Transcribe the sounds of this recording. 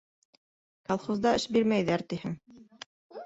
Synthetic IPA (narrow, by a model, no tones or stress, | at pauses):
kɑlˠχozd̪ɑɘʃbiɾmæjðæɾt̪ihɘŋ